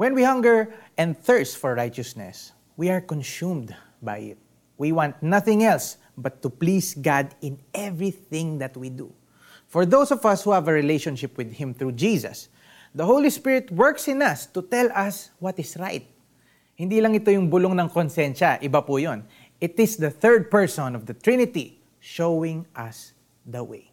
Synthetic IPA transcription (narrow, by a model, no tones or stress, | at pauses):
wɛ̃nwihɐ̃ŋɡəɹʔɛ̃nd̪̚θɜɹst̪fɔɹːajt͡ʃɐsnɛ̰s | wiaɹkɔ̃nsumd̪ | bajɪt̪̚ | wiwãnt̪̚nɐθɪ̃ŋɛls | bɐt̪ːʊplisɡad̪ɪ̃nɛvɹiθɪ̃ŋd̪ɐt̪wid̪ṵ | fɔɹðowsɔvɐshuhavəɹɪlejʃɔ̃nʃɪpwɪd̪hɪ̃mθɹuːd͡ʒiːsɐ̰s | d̪ɐɦowlispɪɹɪt̪wɛɹksɪ̃nɐst̪ʊt̪ɛlɐswɔt̪ɪsɹajt̪̚ | hɪ̃nd̪ilɐŋɪt̪o̞jʊŋbʊloŋnɐŋkɔnsɛnʃɐʔɪbapʊjon | ʔɪt̪ɪsd̪ɐθɜ˞d̪̚pɛɹsɔ̃nɔvd̪ɐt̪ɹɪnɪt̪i | ʃowɪ̃ŋʔɐs | d̪ɐwḛj